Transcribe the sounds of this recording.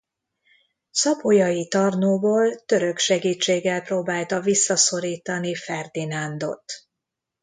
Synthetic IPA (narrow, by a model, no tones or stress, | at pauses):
sɒpo̞jɒjit̪ɒrnoːboːlt̪ø̞ɾø̞kʃɛɡiːt͡ʃːeːɡːɛlproːbaːlt̪ɒvisːɒso̞ɾiːt̪ɒnifɛrd̪inand̪o̞̰t̪